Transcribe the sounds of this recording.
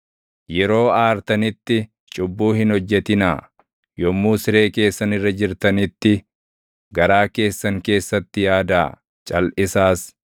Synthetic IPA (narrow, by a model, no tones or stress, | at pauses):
jɛɾo̞ːaːɾt̪ɐnɪt̪ːɪ | t͡ʃʼʊbːuːɦɪnhɔd͡ʒːɛt̪ɪnaː | jɔmːuːsɪɾe̞ːke̞ːsːɐnɪrːɐd͡ʒɪɾt̪ɐnɪt̪ːɪ | ɡɐɾaːke̞ːsːɐŋke̞ːsːɐt̪ːɪjaːd̪a̰ː | t͡ʃʼɐlʔɪsaːs